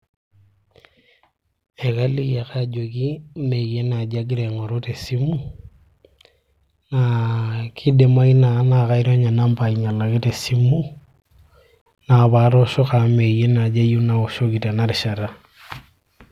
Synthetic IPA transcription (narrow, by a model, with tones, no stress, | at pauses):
e˨ka˦li˦ka˨kad͡ʒo˨ki˦mee˦na˨d͡ʒa˦ɡ̬i˦ɾe˨ŋa˨ɾo˦te˨si˦mu˦ | nakʰi˦de˨ma˦ina˨˦na˦ɣa˦i˦ɾo˦ɲa˨na˦mba˨i˨ɲa˨la˨ke˦te˨si˦mu˦ | na˨βa˨˦ɾɔ˦ʃɔ˦ka˨me˨je˦na˨d͡ʒa˦ju˦na˨o˨ʃo˦ki˨te˨na˦ɾi˨ʃa˨ɾa˦